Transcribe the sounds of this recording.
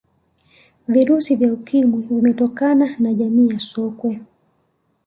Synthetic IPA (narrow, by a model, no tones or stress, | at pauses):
viɾusivjaukimwivimɛtɔkananaʄamiːjasɔkwɛ